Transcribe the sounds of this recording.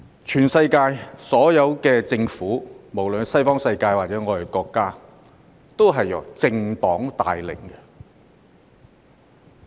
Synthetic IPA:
t͡ʃʰyː˨˩nsɐ˧jkaː˧jsɔː˨˥jɐ˨˧wkɛː˧t͡sɪ˧ŋfuː˨˥mo˨˩wlɵ˨nsɐ˥jfɔː˥ŋsɐ˧jkaː˧jwaː˨t̚t͡sɛː˨˥ŋɔː˨˧d̪e˨˩kɔː˧kːaː˥ | t̪o˥wɦɐ˨jːɐ̰˨˩wt͡sɪ˧ŋt̪ɔː˨˥ŋt̪a̰ː˨jlɪ̰˨˩ŋkɛ˧

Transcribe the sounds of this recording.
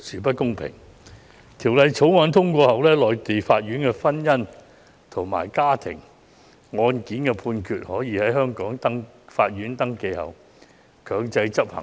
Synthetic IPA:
syː˨˩p̬ɐ˥t̚kʊ˥ŋpʰɪ̰˨˩ŋ | t̪ʰiː˨˩wlɐ˨jt͡sʰo˨˥wŋaː˨˧nt̪ʰʊ˥ŋkʷɔː˧hɐ˨˩wlɛː˥lɔː˨jt̪e˨jfaː˧t̚ɥyː˨˥nkɛ˧fɐ˥njɐ˥n | t̪ʰʊ˨˩ŋma̰ː˨˩jkaː˥t̪ʰɪ̰˨˩ŋ | ŋɔː˧nkiː˨˥nkɛ˧pʰuː˧nkʰyː˨t̚hɔː˨˥jiː˨˧hɐ˨˥jɦœː˥ŋkɔː˨˥ŋt̪ɐ˥ŋ | faː˧t̚ɥyː˨˥nt̪ɐ˥ŋke˧jhɐ̰˨w | kʰœː˨˧ŋt͡sɐ˧jt͡sɐ˥p̚hɐ̰˨˩ŋ

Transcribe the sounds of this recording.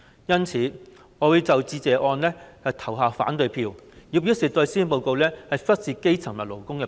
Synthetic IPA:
jɐ˥nt͡sʰiː˨˥ | ŋɔː˨˧wu˨˧ɥt͡sɐ˨wt͡siː˧t͡sɛː˨ʔɔː˧nlɛː˥hɐ˨wt̪ʰɐ˨˩wɦaː˨˧fa̰ː˨˥nt̪ɵ˧jpʰiː˧wjiː˨˧wsiː˨˩t̪ɔː˧jsiː˥npo˨wko˨˧wlɛː˥hɐ˨jfɐ˥t̚siː˨ke˥jt͡sʰɐ˨˩ŋmɐ˨˩lo˨˩wkʊ˥ŋkɛː˧

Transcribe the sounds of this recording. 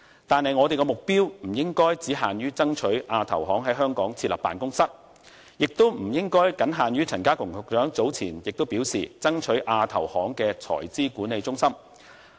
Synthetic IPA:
t̪aː˨nhɐ˨jŋɔː˨˧t̪e˨jkɛː˧mʊ˨k̚piː˥wm̩˨˩jɪ˥ŋkɔː˥jt͡siː˨˥ɦaː˨nɥyː˥t͡sɐ˥ŋt͡ʃʰɵ˨˥ɥʔaː˧t̪ʰɐ̰˨˩wɦɔː˨˥ŋɦɐ˨˥jɦœː˥ŋkɔː˨˥ŋt͡sʰi˧t̚lɐ̰˨˩pːa̰ː˨nkʊ˥ŋsɐ˥t̚ | jɪ˨k̚t̪o˥wm̩˨˩jɪ˥ŋkɔː˥jkɐ˨˥nɦaː˨nɥyː˥t͡sʰɐ˨˩nkaː˥kʰʊ˨˩ŋhʊ˨k̚t͡ʃœː˨˥ŋt͡so˨˥wt͡sʰiː˨˩njɪ˨k̚t̪o˥wpi˨˥wsiː˨t͡sɐ˥ŋt͡ʃʰɵ˨˥ʔaː˧t̪ʰɐ˨˩whɔː˨˥ŋkɛː˧t͡sʰɔ̰ː˨˩jt͡siː˥kuː˨˥nːe˨˧jt͡sʊ˥ŋsɐ˥m

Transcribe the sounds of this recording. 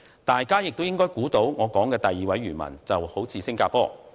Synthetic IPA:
t̪aː˨jkaː˥jɪ˨k̚t̪wjɪ˥ŋkɔː˥jkuː˨˥t̪o˨˥wŋɔː˨˧kɔː˨˥ŋkɛː˧t̪ɐ˨jːiː˨wɐ˨˥jɥyː˨˩nmɐ̰˨˩nt͡sɐ˨who˨˥wt͡sʰiː˨˧sɪ˥ŋkaː˧˥pɔː˥

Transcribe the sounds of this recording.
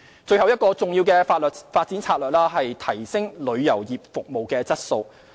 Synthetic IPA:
t͡sɵ˧ɥhɐ˨wjɐ˥t̚kɔː˧t͡sʊ˨ŋjiː˧wkɛː˧faː˧t̚lœː˨t̚faː˧t̚t͡siː˨˥nt͡sʰaː˧t̚lœː˨k̚laː˥ɦɐ˨jt̪ʰɐ˨˩jsɪ˥ŋlɵ˨˧ɥjɐ˨˩wjiː˨p̚fʊ˨k̚mo˨wkɛː˧t͡sɐ˥t̚so˧w

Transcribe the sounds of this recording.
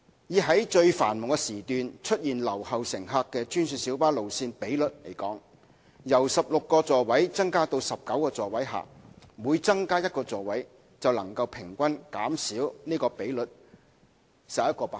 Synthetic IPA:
jiː˨˩ɦɐ˨˥jt͡ʃɵ˧ɥfa̰ː˨˩nmʊ˨ŋkɛ˧siː˨˩t̪yː˨nt͡ʃʰɵ˥t̚jiː˨˩nlɐ˨˩whɐ˨wsɪ˨˩ŋɦaː˧kːɛː˧t͡ʃyː˥nsyː˧siː˨˥wpaː˥lo˨wsiː˧npe˨˥jlɵ˨t̚le˨˩jkɔː˨˥ŋ | jɐ˨˩wsɐ˨p̚lʊ˨kːɔː˧t͡sɔː˨˧wɐ˨˥jt͡sɐ˥ŋkaː˥t̪o˧wsɐ˨p̚kɐ˨˥wkɔː˧t͡sɔː˨wɐ˨˥jɦa̰ː˨muː˨˧jt͡sɐ˥ŋkaː˥jɐ˥t̚kɔː˧t͡sɔː˨wɐ˨˥j | t͡sɐ˨wlɐ˨˩ŋkɐ˧wpʰɪ˨˩ŋkʷɐ˥nkaː˨˥msiː˨˥wniː˥kɔː˧pe˨˥jlɵ˨t̚ | sɐː˨˩jɐ˥t̚kɔː˧paː˧

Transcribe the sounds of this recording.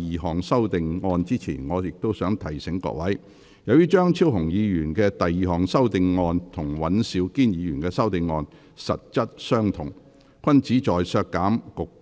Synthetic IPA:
iː˨ɦɔː˨˩ŋsɐ˥wt̪ɪ˨ŋŋɔː˧nt͡siː˥t͡sʰḭː˨˩nŋɔː˨˧jɪ˨k̚t̪o˥wsœː˨˥ŋt̪ʰɐ˨˩jsɪ˨˥ŋkɔ̰˧k̚wɐ˨˥j | jɐ˨˧wjyː˥t͡ʃœː˥ŋt͡sʰiː˥wɦʊ˨˩ŋjiː˨˧jyː˨˩nkɛː˧t̪ɐ˨jːiː˨˩ɦɔː˨˩ŋsɐ˥wt̪ɪ˨ŋːɔː˧nt̪ʰʊ˨˩ŋwɐ˨˥nsiː˨˥wkiː˥njiː˨˧jyː˨˩nkɛː˧sɐ˥wt̪ɪ˨ŋːɔː˧n | sɐ̰˨t̚t͡sɐ˥t̚sœː˥ŋt̪ʰʊ˨˩ŋ | kʰʷɐ˥nt͡siː˨˥t͡ʃɔː˨jsœː˧kːaː˨˥mkʊ˨k̚

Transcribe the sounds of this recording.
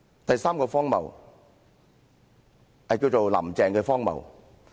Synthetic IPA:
t̪ɐ˨jsaː˥mkɔː˧fɔː˥ŋmɐ̰˨˩w | hɐ˨jkiː˧wt͡ʃo˨wlɐ̰˨˩mt͡sɛː˨ŋkɛː˧fɔː˥ŋmɐ̰˨˩w

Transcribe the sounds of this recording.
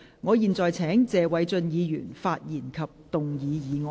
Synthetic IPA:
ŋɔː˨˧jiː˨˩nt͡sɔː˨jt͡sʰɛː˨˥ŋt͡sɛː˨wɐ˨˥jt͡sɵ˧njiː˨˧jy̰ː˨˩nfaː˧t̚jiː˨˩nkʰɐ˨p̚t̪ʊ˨ŋjiː˨˧jiː˨˧ŋɔ˨

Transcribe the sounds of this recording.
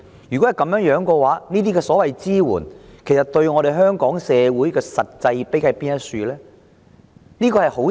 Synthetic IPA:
jyː˨kɔ˨˥hjkɐ˧mjœː˨˥ŋjœː˨˥ŋkɔː˧waː˨˥niː˥t̪iː˥kɛː˧sɔː˨˥wɐ˨jt͡siː˥wṵː˨˩nkʰe˨˩jsɐ˨t̚t̪ɵ˧ɥŋɔː˨˧ɾe˨ɦœː˥ŋkɔː˨˥ŋsɛː˨˧wuː˨˥jkɛː˧sɐ˨t̚t͡sɐ˧jpe˨˥jkɐ˨jpiː˥njɐ˥tsyː˧lɛː˥ | niː˥kɔː˧hɐ˨jho˨˥w

